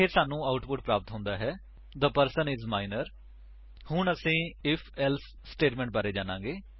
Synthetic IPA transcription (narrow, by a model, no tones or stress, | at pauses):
pʰɪɾsaːnũːaːʊʈpʊʈpɾaːpət̪ɦʊ̃nd̪aːɦɛː | d̪əpəɾsənɪzmaːɪnəɾ | hʊɳəsĩːɪpʰɛls | sʈeːʈmɛ̃ːɳʈ̚baːɾeːd͡ʒaːnãːɡeː